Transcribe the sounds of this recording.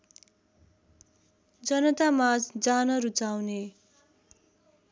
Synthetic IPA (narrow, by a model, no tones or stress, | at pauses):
d͡zʌnʌt̪amad͡zd͡zanʌɾut͡sawne